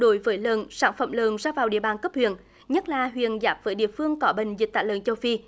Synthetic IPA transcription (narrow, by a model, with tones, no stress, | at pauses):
ɗo˨˦jvəː˨˦jləː˨˩nsa̰ː˧˩nfə̰˧˩mləː˨˩nzaː˧vaː˨˩wɗḭ˧˨əɓaː˨˩nkə˦˥p̚hwḭ˧˨ən | ɲə˦˥t̚laː˨˩ɦwḭ˧˨ənzaː˨˦˥p̚vəː˨˦jɗḭ˧˨əfɨ˧əŋkɔ˨˦ɓï˨˧˨ŋ̟zï˨˩k̚t̪a̰ː˧˨jlə̰ː˨˩nt͡ɕə˧wfi˧